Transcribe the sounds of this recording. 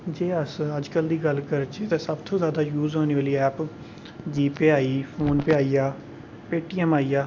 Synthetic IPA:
d͡ʒeːəsəd͡ʒkəld̪iːɡəlkəɾt͡ʃet̪ɛːsəbt̪ʰõːzjaːd̪aːjuːzoːneːʋaːliːɛːp | d͡ʒiːpeaːiːpʰoːnpɪaːiːaː | peːʈiːɛmaːiːjaː

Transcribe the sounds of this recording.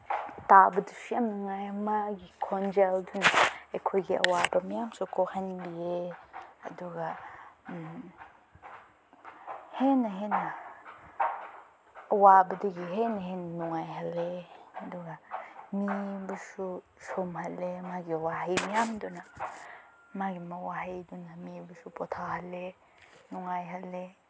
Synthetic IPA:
t̪abəduʃiamnaŋajmaɡikʰond͡ʒɛldunaekʰojɡiʔa̰wabamiamsokohanbiea̰duɡa | henaɦena | wabɐdiɡiɦenɐɦennuŋajɦɐleɐduɡɐmibusu | somhɐlemaɡiwaɦajmijamdunɐ | maɡimɐwaɦajdɔnɐmibusupɔtʰaɦɐle | nuŋajɦɐle

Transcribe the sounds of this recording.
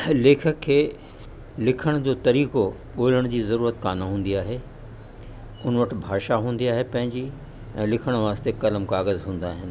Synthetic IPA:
leːkʰəkʰːeː | lɪkʰəɽ̃d͡ʑoːt̪ɐɾiːko | ɓoːɪləɽ̃d͡ʑiːzɐɾuːɾət̪kaːnaɦũːn̆d̪iaːɦe | ʊnʋɐʈɪ̆bʱaːʃaɦũːn̆d̪iaːɦepɐ̃ɦɪ̃ɲd͡ʑiː | ɛ̰̃ːlɪkʰəɽ̃ʋaːst̪ekɐləmkaːɣəzɦũːn̆d̪aːɦɪnɪ̆

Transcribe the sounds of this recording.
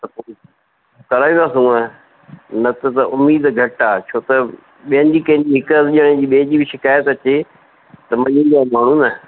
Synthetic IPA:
t̪ɐpoːɪ | kɐɾaːaːsũːɐ | nɐt̪ɐt̪ɐʔʊmiːd̪ɡʱɐʈaːt͡ɕʰoːt̪ɐ | ɓiɦə̃nɪd͡ʑiːkɐ̃ɦɪ̃ɲd͡ʑiːɦɪkɐzʄəɽ̃ɪ̃d͡ʑiːɓeɦɪ̃d͡ʑiːbɪʃɪkaːjət̪ɐt͡ɕe | t̪ɐmɐ̃ɲĩnd̪aːmaːɳ̤unɐ

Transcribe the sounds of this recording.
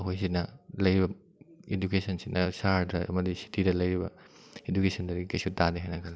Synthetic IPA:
ɦojs̬itnɐlɐjɾibɐ | edukesɐnsit̚nɐsaɾɐɐ̰mɐdisi̥tʰidɐlɐjɾibɐ̰ | edukesɐndɐɾiikɐjsutadeɦajnɐkʰɐl

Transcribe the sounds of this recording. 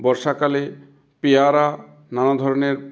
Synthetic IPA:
bɔɾʃakale | peaɾa | nanad̪ʱɔɾoneɾ

